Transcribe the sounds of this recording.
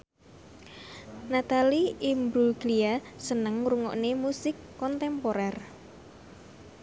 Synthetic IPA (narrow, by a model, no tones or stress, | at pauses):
nat̪aliimbɾuɡliasənəŋɾuŋɔ̰ʔnemusɪkːɔnt̪ɛmpoɾɛr